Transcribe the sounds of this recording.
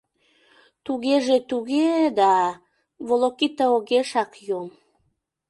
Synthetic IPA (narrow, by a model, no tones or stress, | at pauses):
t̪uɣeʒet̪uɣed̪ɑ | βolokit̪əoɣeʃɑkjom